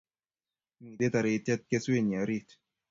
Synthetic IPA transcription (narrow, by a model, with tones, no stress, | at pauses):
mi˨de˦t̪a˨ɾe˨i˧tɛ˦t̪̚ke˦swe˦˨n˨a˨˦ɾi˦t